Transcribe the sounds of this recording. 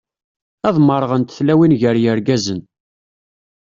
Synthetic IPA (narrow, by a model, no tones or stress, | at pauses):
ɑðˤməɾˤəʁənt̪θlæwinʝəɾjəɾɡæzən